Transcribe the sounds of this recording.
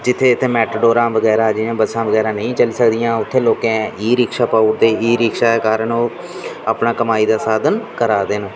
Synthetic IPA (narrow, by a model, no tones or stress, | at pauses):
d͡ʒɪt̪ʰːeːɪt̪ʰːeːmɛːʈɖoːɾãːʋəɡɛːɾaːd͡ʒiːãːbəsãːʋəɡɛːɾãːnəĩːt͡ʃəliːsəkd̪ɪjãːʊt̪ʰːeːloːkẽːiːɾɪkʃaːpaːʊɾd̪eːiːɾɪkʃaːekaːɾənoː | aːpnaːkəmaːiːd̪aːsaːd̪ənkəɾaːd̪eːnõː